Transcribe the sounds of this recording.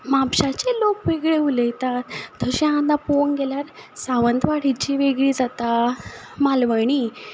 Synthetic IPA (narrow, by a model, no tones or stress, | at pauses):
mapɕat͡ɕelokʋeɡɭeulet̪at̪ːəɕẽãd̪apoŋɡeljaɾsaʋənt̪ʋaɽ̤it͡ɕiʋeɡɭiːd͡zat̪a | malʋəɳ̃i